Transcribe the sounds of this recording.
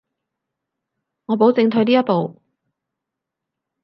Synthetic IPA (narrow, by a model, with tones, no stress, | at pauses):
ŋɔː˨˧p̬o˨˥wt͡sɪ˧ŋt̪ʰɵ˨˧ɥliː˥jɐ˥t̚po˨˧w